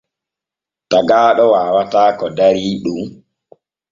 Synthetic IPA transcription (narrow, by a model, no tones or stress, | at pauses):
taɡaːɗɔwaːwataːkɔdaɾiːɗum